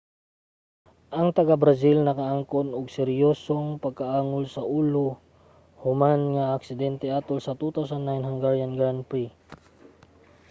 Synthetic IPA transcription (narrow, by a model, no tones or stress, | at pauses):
ʔɐŋt̪ɐɡabɾɐs̬ilnɐkɐʔaŋkonʊɡsɛɾjoːsoŋpɐɡ̚kaʔaːŋʊlsɐʔuːlo | hʊmanŋaːksɪd̪ɛnt̪ɛʔaːt̪olsɐt̪ut̪awsanːajnɦɐŋɡaɹjanɡɹanpɹi